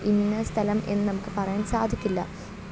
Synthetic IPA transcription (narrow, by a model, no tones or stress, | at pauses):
ʔinːɐst̪ʰɐlɐme̞nːɨnɐmukːɨpɐrɐjaːnsaːd̪ʱikʲːilːɐ̰